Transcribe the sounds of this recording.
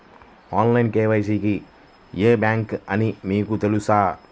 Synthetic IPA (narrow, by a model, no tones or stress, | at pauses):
aːnlɐjnkeːʋɐjs̬iki | jeːbjaːŋkɐnimiːkut̪elusaː